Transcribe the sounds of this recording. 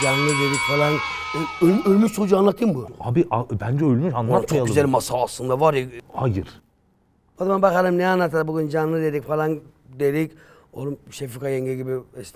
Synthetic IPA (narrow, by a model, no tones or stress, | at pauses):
d͡ʒanlˠɯd̪eɾikfalˠanøølmʲysud͡ʒuanlˠat̪ʰɯjɯmbuabiʔabænd͡ʒɛølʲmyʃanːaat͡ʃʰokɡzælʲmasaːslˠɯnd̪avaɾhajɯɾ̥ | ad̪manbakaɾɯmnɛanːat̪ʰad̪abuɡynd͡ʒanlˠɯd̪eɾikfalˠan | d̪eɾic | oɾumʃefikʰajɛɲɟɛɡibiɛst̪